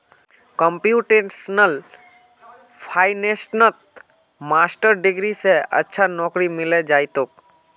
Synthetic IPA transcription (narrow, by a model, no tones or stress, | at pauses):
kəmpjuʈesnəl | pʰaːjnesnət̪̚ | maːsʈəɾɖɪɡɾiseə̰tːʃʰanɔːkɾimɪled͡ʒaːɪt̪oːk̚